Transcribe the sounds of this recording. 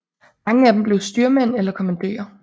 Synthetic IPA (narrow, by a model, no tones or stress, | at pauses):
mɑ̈ŋəæd̥emb̥le̝ʊsd̥yɐmen̰elɐkʰɒ̽mænd̥ḛːɐ